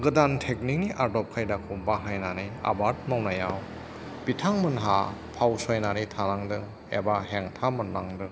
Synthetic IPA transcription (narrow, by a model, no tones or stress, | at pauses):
ɡɯdantʰek̚nik̚niʔaɾdɔp̚kʰajdakʰubaɦajnanɯja̰baɾt̚mawnajaw | b̥itʰaŋmɯnɦapʰawsɔjnaɾɯjtʰanaŋdɯŋ | ḛbaɦeŋtʰamɯnːaŋdɯŋ